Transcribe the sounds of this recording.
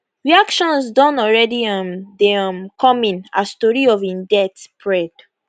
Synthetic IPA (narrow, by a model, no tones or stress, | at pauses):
ɹiakʃɔ̃nsdɔ̃nɔlɹɛdiɔmdemkʰɔmĩnastɔɹiɔvĩndɛtpʰɹɛd̥